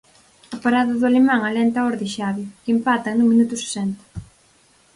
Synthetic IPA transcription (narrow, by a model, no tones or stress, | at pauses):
ɐpaɾaðɐðʊalemãŋalɛnt̪aɔɾðɪʃaβjokimpat̪ɐnũmĩnut̪ʊse̥sɛnt̪ɐ̥